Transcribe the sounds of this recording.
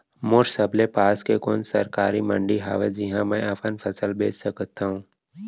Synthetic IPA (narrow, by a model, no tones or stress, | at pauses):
moːɾsəblepaːskekoːnsɐɾkaːɾimɐ̃ɳɖiɦaːʋed͡ʒɪɦãmɛ̃ɐpʰənpʰɐsəlbeːd͡ʒsəkt̪aːɦũː